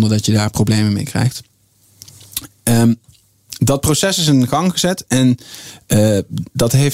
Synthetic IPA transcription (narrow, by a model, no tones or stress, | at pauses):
ndəɹdɑtjədaːɹprowblejməmḛjkrɛ̰jχt | ə | dɑt̚prosɛsɪsɪnχɑŋχəzɛtɛn | dɑtɦej